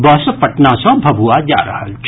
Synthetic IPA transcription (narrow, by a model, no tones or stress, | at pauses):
bɔːspɐʈnãsãbʱɐbʱuad͡ʒa̰ːɾɐɦat͡ʃ